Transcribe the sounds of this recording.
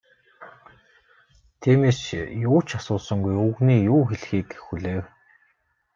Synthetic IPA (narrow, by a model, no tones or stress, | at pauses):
t̪ʰiːmeːsjʊːt͡ɕʰasʊːsə̆ŋɡujuɣniːjuːxeɮxiːkxuɮeːw